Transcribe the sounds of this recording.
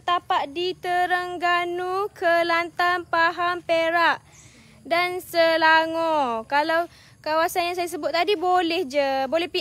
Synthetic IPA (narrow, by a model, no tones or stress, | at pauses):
t̪apaʔ̪̚dit̪əɾəŋɡanukʰəlant̪anpaɦampeɾaʔ | dansəlaŋɔ̃kalaw | kawasanjaŋs̬ajas̬əbʊt̪̚ːadibolɛhd͡ʒəbolɛhpi